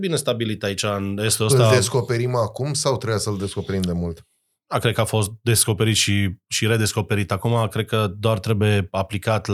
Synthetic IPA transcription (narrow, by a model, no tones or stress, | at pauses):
bine̞st̪abilit̪ait͡ʃanjest̪eosɨt̪lad̪esko̞pe̞ɾimakumsawt̪ɾeasəɨld̪e̞sko̞pe̞ɾimd̪e̞mult̪ | akɾe̞d̪̚kəafo̞st̪̚d̪e̞sko̞pe̞ɾit̪ʃiʃiɾe̞d̪e̞sko̞pe̞ɾit̪akumakɾe̞d̪̚kəd̪oart̪ɾe̞buje̞aplikat̪l